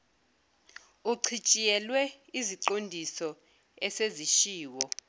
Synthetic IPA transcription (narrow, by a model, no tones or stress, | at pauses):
uǀʰit͡ʃʼijɛlwɛiziǃondʱisɔ | ɛseziʃiːwɔ